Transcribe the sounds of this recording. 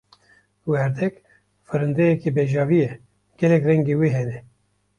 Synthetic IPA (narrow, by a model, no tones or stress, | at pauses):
wɛɾd̪ɛk | fɨɾɨnd̪ɛjɛkibeʒɑːvijɛ | ɡ̥ɛlɛkrɛŋɡeːweːɦɛnɛ